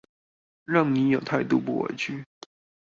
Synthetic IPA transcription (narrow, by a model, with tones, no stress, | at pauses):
ɻɑ˥˩ŋni˧˥jo˨˩ʊt̪ʰa˥˧ɪt̪u˥˧pṵ˥˩wḛ˨˩t͡ɕʰy˥˩